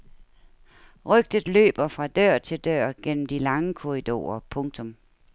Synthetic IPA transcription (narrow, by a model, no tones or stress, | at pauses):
ʁœɡ̥̚d̥əð̩ˠlø̰ːb̥ɐfʁɑ̈d̥ɶɐ̰t͡sʰe̝ld̥ɶɐ̰ɡ̥en̰m̩d̥ilɑ̈ŋəkʰoʁid̥o̝̰ːɐpʰɔ̽ŋ̚t͡sʰɔ̽m